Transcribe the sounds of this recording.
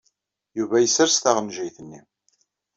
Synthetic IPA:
juvæjəsːəɾst̪aʁnʒijθənːḭ

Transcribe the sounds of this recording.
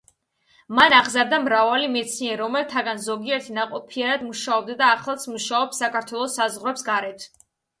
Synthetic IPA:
manaʁzaɾd̪amɾavalimɛt̪sʰniɛɾɾɔmɛlt̪ʰaɡanzɔɡiɛɾt̪ʰinaqʼɔpʰiaɾad̪muʃaɔb̚d̪ad̪aːχlˠat̪sʰmuʃaɔpsakʰaɾt̪ʰwɛlˠɔsːazʁɾɛpsɡaɾɛt̪ʰ

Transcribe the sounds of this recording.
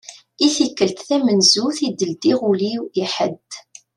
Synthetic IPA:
iθikːəlt̪θæmənzuθid̪əld̪iʁuliwiħəd̪

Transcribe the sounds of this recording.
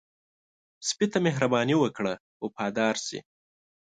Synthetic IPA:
spit̪ameɦɾabɑniwəkɽa | opɑːd̪ɑːɾsḭ

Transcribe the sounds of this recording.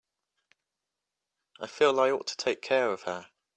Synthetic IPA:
ʔaɪfiːəlaɪɔˑtʰə̥tʰeɪkʰɛːɹəv̥ə

